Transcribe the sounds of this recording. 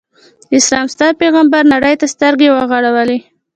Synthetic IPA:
ɪslɑmst̪ɑd̪̚peɣambaɾnaɽəjt̪ast̪əɾɡewəɣaɽawəle

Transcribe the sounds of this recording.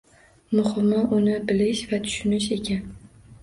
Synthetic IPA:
mʊhɨmaʔʊnɪbɪlɪʃvat̪ʰʊ̥ʃʊnɪʃe̞kʲʰan

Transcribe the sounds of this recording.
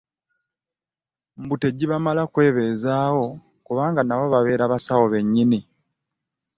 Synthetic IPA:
m̩bute̞ɟːiβamalakwe̞ːβe̞ːzaːwo̞ | kuβaːŋɡanaβo̞βaβe̞ːɾaβasawo̞βe̞ɲːini

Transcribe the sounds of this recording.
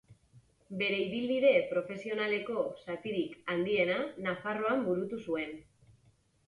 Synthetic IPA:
be̞ɾe̞iβilβiðe̞pɾo̞fe̞sio̞nale̞ko̞sat̪iɾikand̪ie̞nanafaro̞ambuɾut̪usue̞n

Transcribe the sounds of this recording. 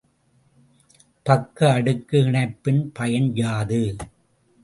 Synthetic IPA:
pɐkːɐːɽɯkːɯɪɳɐɪpːɪnpɐjɐnd͡ʒaːðɯ

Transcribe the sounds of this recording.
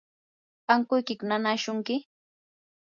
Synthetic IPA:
aŋkʊjkɪkʊnanaʃʊŋkɪ

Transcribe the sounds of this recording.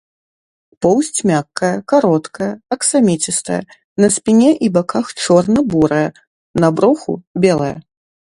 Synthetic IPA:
pɔwsʲt͡sʲmʲakːɐjɐkaɾɔt̪kʰɐjɐɐksamʲɛt͡sʲist̪ɐ̰jɐ̰ | nɐsʲpʲinʲɛʔibakaxt͡ʂɔrnɐbuɾɐjɐ | nabɾɔxṵbʲɛlˠɐjɐ̰

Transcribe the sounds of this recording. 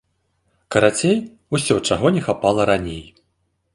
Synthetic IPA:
kɐɾat͡sʲej | usʲɔt͡ʂaɣɔnʲɛxapalˠɐɾanʲej

